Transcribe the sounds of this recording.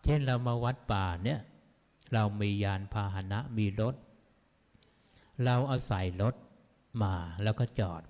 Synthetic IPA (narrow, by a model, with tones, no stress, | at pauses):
t͡ɕʰe˥˩nɾa˧wmaː˧wa˦˥t̪̚paː˨˩ni˦˥˩ɐ | ɾa˧wmiː˧jaː˧npʰaː˧ɦa˧˦na˦˥ʔmiː˧ɾo˦˥t̪̚ | ɾa˧wʔaː˧sa˨˩˦jɾo˦˥t̪̚ | maː˧lɛː˦˥˩wkɔː˥˩t͡ɕɔː˨˩t̪̚